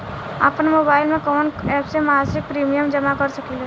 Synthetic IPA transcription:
a̰pnmoːbaːɪlmẽkɔːnɛːpsemaːzɪk̚pɾiːmijəmd͡ʒɐmakɐɾsɐkile

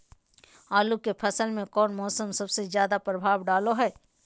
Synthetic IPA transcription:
aːlukepʰɐsəlmẽkɔːnmɔːsəmsɐbsezjaːd̪apɾəbʱaːwɖaːloɦɛː

